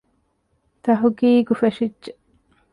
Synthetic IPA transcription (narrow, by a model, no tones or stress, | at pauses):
t̪ɐɦuɡiːɡufeʃid͡ʒʒe